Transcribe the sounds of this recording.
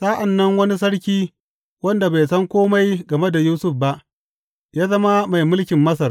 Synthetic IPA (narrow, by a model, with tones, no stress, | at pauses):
sa˦ʔa˨nːɐ˦ŋwɐ˦ni˦s̬ɐ˦ɽkʲiː˦ | wɐ˦nda˨ba˨jsɐ˦ŋkʷoː˦ma˦jɡɐ˨me˦da˨juː˦sʊ˦˨ɸba˦ʔ | jaː˦zɐ˦ma˦ma˨jmʊ˦lkʲɪ˨mːɐ˦sɐ˨r